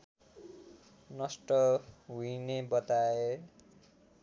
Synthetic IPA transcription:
nʌsʈʌɦuinebʌt̪ae

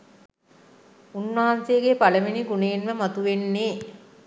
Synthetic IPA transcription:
unʋaɦanseːɡepaləʋiniɡuneːnʋəmat̪uʋenːeː

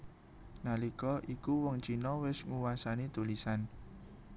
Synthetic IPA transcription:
nalikɔʔikuwɔŋt͡ʃinɔwɪsŋuwasanit̪ulisan

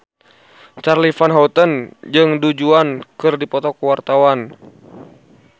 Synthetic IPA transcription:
t͡ʃarlifanɦaut̪ənd͡ʒɨŋdud͡ʒuankɨrdipɔt̪ɔkəwart̪awan

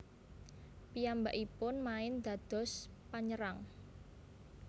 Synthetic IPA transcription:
pijambaʔipʊnmaɪnd̪̥a̤d̪̥ɔ̤spaɲəɾaŋ

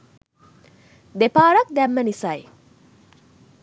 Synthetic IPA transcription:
d̪epaːɾɐk̚d̪ɛmːənisaj

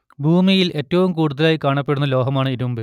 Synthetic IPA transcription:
bʱuːmijilʔe̞tːɐʋumkuːɽuðɐlaːjikaːɳɐpːe̞ɽunːɐlo̞ːɦɐmaːɳɨiɾumbɨ

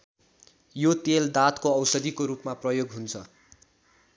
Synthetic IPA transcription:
jot̪eld̪at̪koʌwsʌd̪ikoɾupmaprʌjoɡɦunt͡sʰʌ

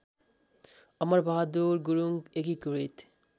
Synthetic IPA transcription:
ɔmaɾbʱaɦad̪uɾɡuɾuŋɡekikuɾit̪

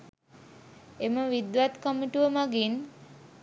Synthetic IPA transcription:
eməʋid̪ʋat̪kəmiʈuʋəmaɡin

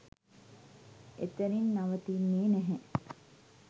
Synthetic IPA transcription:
et̪əɾinːaʋət̪inːeːnɛɦɛ

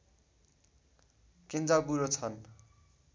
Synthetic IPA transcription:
kend͡zabuɾot͡sʰʌn

